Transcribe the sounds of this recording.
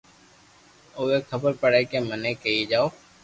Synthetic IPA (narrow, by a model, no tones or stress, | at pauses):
oːeːkʰəbəɾpəɽeːkeːmənẽːkəiːd͡ʒaːoː